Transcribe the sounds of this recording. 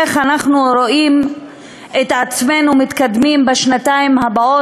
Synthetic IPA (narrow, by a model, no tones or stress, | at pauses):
eχanaχnuɾo̞im | et̪at͡sme̞numit̪kad̪mimbeʃnat̪aimhabao